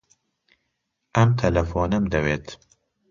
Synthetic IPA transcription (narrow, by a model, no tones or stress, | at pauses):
ʔɐmt̪ʰɐlɐfɔːnɐmd̪ɐweːt̪